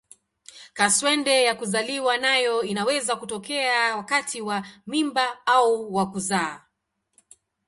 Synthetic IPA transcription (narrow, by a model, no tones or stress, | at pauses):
kaswɛndɛjakuzaliwanajɔinawɛzakutɔkɛawakatʰiwamimbaauwakuzaː